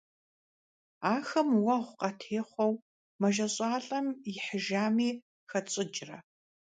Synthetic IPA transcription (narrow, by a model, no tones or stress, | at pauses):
aːxɐmwɐʁʷqɐtʰeːχʷɔw | mɐʒɐɕʼɑːɬʼɐmjɪħəʒaːmiː | xɐt͡sʼɪd͡ʒʼrɐ̰